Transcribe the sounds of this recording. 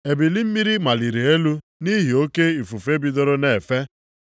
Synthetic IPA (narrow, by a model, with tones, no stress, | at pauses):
e˨bi˨li˦m̩˦mi˦ɾi˦ma˨li˨ɾe˨e˦lu˦ | ni˦ɦi˨o˦ke˦i˨fu˨fe˦bi˨do˦ɾo˦ne˨fe˦